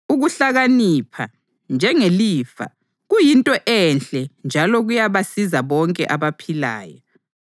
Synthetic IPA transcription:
uɣuɬaɣanipʰa̰ | nd͡ʒʱɛŋeliːfa̰ | ɣujintʼɔʔɛnɬɛnd͡ʒʱalɔɣujaβasizaβɔŋkʼɛ̰ʔaβapʰila̰ːjɔ

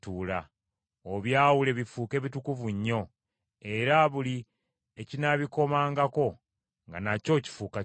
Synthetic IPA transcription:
tuːla | oβjaːwule̞βifuːke̞ːβitukuvuɲːo̞ | e̞ɾaβuli | ecinaβiko̞maːŋɡako̞ | ŋɡa̰naco̞ːci̥fuːka

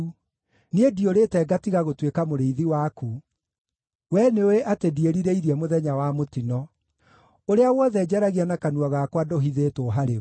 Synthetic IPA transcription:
niedioɾetɛɡatiɣaɣotwekamoɾeiðiwaːku | wɛneweʔatedieɾiɾeiɾiɛmoðɛɲawamotinɔ | oɾeawɔðɛd͡ʑɛɾaɣianakanuaɣakwadoɦiðeːtoɦaɾe

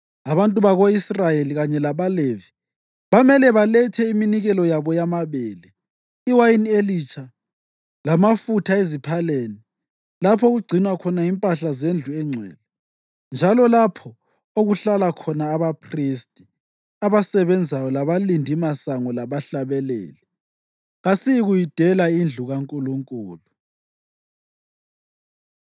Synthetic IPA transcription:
aβantʼuβaɣoisrajeliɣaɲɛlaβalevi | βamɛlɛβalɛtʰɛiminiɣɛlɔjaβɔjamaβɛːlɛ | iwajinelit͡ʃʰʼa | lamafutʰaezipʰaleːni | lapʰɔɣuɡ͡ǀʱinwakʰɔnajimpʼaɬazend͡ɮʱuɛŋ͡ǀʱɛ̰ːlɛ | nd͡ʒʱalɔlapʰɔ | oɣuɬalakʰɔnaːβapʰristʼi̥ | aβasɛβɛnd͡zʱajɔlaβalindʱimasaŋɔlaβaɬaβɛlḛːli | ɣasiɣujid̥ʱɛlaind͡ɮʱuɣaŋkʼuluŋkʼuːlu

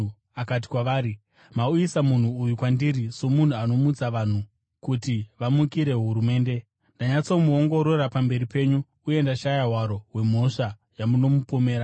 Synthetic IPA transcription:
akat̬i̥kwaʋaːɾi | mauisamun̤uːjukwandiɾiso̞mun̤uano̞mud͡zaʋan̤u | kutiʋamukiɾe̞ɦuɾume̞ːnde̞ | ndaɲat͡so̞muoŋɡo̞ɾo̞ɾapambe̞ɾipe̞ːɲu | ue̞ndaʃajaɦwaɾo̞we̞m̤o̞ʂa | jamuno̞mupome̞ːɾa

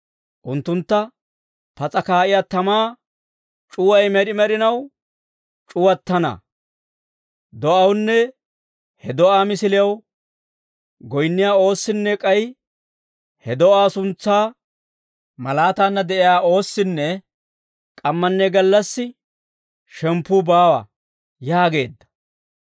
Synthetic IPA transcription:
ʔʊnt̪ːʊnt̪ːɐ | pɐt͡sʼɐkaːʔɪjaːt̪ɐmaː | t͡ʃʼʊwɐjmɛɾɪmɛɾɪnɐw | t͡ʃʼʊwɐt̪ːɐnɐ̰ | d̪ɔʔɐwnːɛ | hɛd̪ɔʔaːmɪsɪlɪjɐw | ɡɔjnːɪjaːo̞ːsːɪnːɛkʼɐj | hɛd̪ɔaːsʊnt͡sːaː | mɐlaːt̪aːnːɐd̪ɛʔɪjaːo̞ːsːɪnːɛ | kʼɐmːɐnːɛɡɐlːɐsːɪ | ʃɛmpːuːbaːwɐ̰ | jaːɡe̞ːd̪ːɐ̥

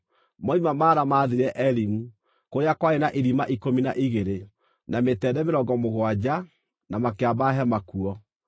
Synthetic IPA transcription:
mɔimamaːɾamaːðeɾɛʔɛɾimu | kojakwaenaʔiɾimaʔikomina̰ʔiɣeɾe | nametɛdɛmeɾɔɡɔmoɣwad͡ʑa | namakeabaɦɛmakuɔ

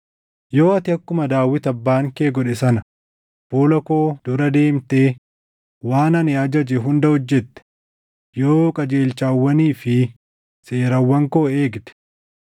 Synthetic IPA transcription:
jo̞ːɐt̪ɪɐkːʊmɐd̪aːwɪt̪ɐbːaːŋkeːɡɔᶑɛsɐnɐ | b̥oːlɔko̞ːd̪̥ʊɾɐd̪e̞ːmt̪e̞ː | waːnɐnɪɐd͡ʒɐd͡ʒɛɦʊnd̪ɐhɔd͡ʒːɛt̪ːɛ̥ | joːkʼɐd͡ʒe̞ːlt͡ʃaːwːɐniːfɪ | se̞ːɾɐwːɐŋkoːe̞ːɡd̪ɛ̥

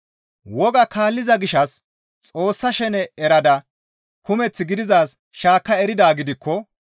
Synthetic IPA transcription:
wɔɡɐkaːlːɪzɐɡɪʃɐs | t͡sʼo̞ːsːɐʃɛnɛɛɾɐd̪ɐ | kʊmɛt͡sːɪɡɪd̪ɪzaːs | ʃaːkːɐɛɾɪd̪aːɡɪd̪ɪkʰːɔ

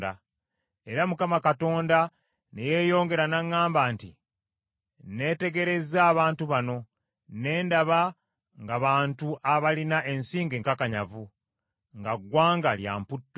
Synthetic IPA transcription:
da | e̞ɾamukamakato̞ːnda | neje̞ːjo̞ːŋɡe̞ɾanaŋːaːmbaːnti | ne̞ːte̞ɡe̞ɾe̞zaːβaːntuβano̞ | ne̞ːndaβa | ŋɡaβaːntuʔaβalinaʔe̞nsiːŋɡeːŋkakaɲa̰vu | ŋɡaɡwaːŋɡalja̰ːmputː

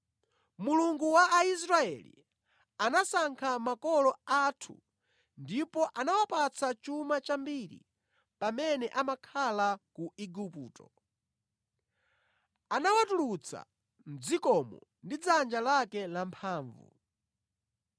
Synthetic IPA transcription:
muluŋɡuwaːis̬ɾaɛlḭ | anasaŋkʰamakɔlɔatʰṵ | ndipɔʔanawapat͡sʰat͡ʃumat͡ʃambiɾḭ | pamɛnɛʔamakʰalakuʔiɡupuːtɔ | anawatulut͡sʰa̰ | n̩d͡zikɔmɔndid͡zand͡ʒalakɛlampʰaːɱvṵ

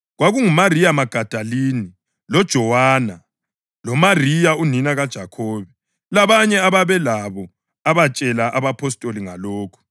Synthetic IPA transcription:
ɣwaɣuŋumarijamaɡ̥ʱad̥ʱaliːni | lɔd̥ʒ̥ʱɔwaːna | lɔmarijauninaɣad̥ʒ̥ʱakʰɔːβɛ | laβaɲɛaβaβɛlaβɔ | aβat͡ʃʼɛlaʔaβapʰɔs̬tʼoliŋaloːkʰu̥

